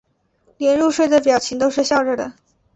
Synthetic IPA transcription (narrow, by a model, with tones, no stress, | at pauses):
ljɛ˧˥nɻu˥˧ʂwe˥˩ɪd̪ə˩p̬jɑ˨˩ʊt͡ɕʰi˧˥ŋt̪o˥ʊʂɻ̩˥˧ɕjɑ˥˧ʊʈ͡ʂə˥˩d̪ə̰˩